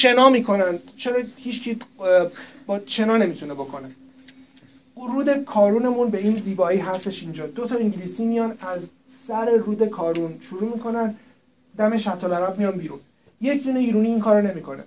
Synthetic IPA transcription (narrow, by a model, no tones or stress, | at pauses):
ʃe̞nɒːmiːkʰo̞nænd̪t͡ʃʰe̞ɾɒːhiːt͡ʃcʰi | bt͡ʃʰe̞nɒːne̞mit̪ʰunebo̞kʰo̞ne | ɾuːd̪e̞kʰɒːɾuːne̞munbe̞iːnziːbɒːiːɦæst̪e̞ʃind͡ʒɒːd̪o̞t̪ʰɒiŋɟiliːsiːmijɒnæz | sæɾe̞ɾuːd̪e̞kʰɒːɾunʃuɾuːmikʰo̞næn | d̪æme̞ʃæt̪ʰːolæɾæbmijɒːnbiːɾuːn | je̞cʰd̪iːneiːɾuːniːŋkʰɒːɾone̞mikʰo̞nḛ